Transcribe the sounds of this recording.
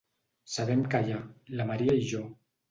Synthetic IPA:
saβɛmkajalamaɾiaiʒo

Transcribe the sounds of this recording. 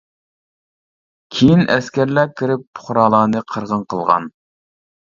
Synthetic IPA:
kʲʰejinɛ̰skʲæɾlækʲʰːiɾɪp̚ːʰʊ̥χɾɑːlˠɑːnɨqʰəɾʁənqʰəlˠʁɑ̰n

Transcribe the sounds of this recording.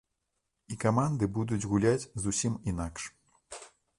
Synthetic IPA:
ikamand̪ɨbud̪ud͡zʲɣulʲat͡sʲzusʲimin̪akʂ

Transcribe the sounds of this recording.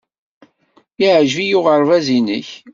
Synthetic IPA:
iʕʒvijʊʁəɾˤvæzinəç

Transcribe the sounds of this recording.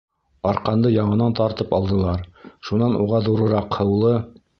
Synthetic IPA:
ɒɾqɑnd̪ɤjɑɴɤ̆nɑnt̪ɑɾt̪ɤpɑlˠd̪ɤ̆lˠɑɾʃunɑnʔuʁɑðuɾɤ̆ɾɑqhɤ̆wlˠɤ

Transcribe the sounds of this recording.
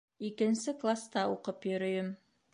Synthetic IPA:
ikɘ̆nsɘklˠast̪ɑuqɤpjɵ̆ɾɵ̆jɵm

